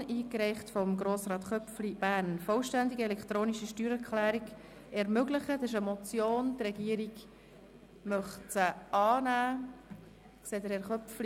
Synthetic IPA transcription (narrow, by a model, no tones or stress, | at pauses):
ʔiːkɾɛɪχtfɔmɡɾoːsɾɑːt̪χœpflib̥æːɾnfɔlʃtænd̪iɡiɛlɛkχt̪ɾoːniʃiʃtyːɾɛɾkχlæːɾiɡ | ɛɾmøɡləχəd̥ɪʃ̬əmɔt͡sjoːnt̪rɛɡiːəɾiɡ | mœχt͡səɑːnæː | ksɛːdəɾɛɾχœpfli